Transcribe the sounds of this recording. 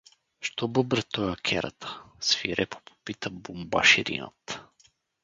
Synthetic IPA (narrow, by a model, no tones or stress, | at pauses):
ʃt̪ɔbɤbɾɛt̪ɔjakʰʲɛɾɐ̰t̪ʰə̥sfiɾɛpo̥pʰo̥pit̪əbumba̰ʃiɾḭnə̰t̪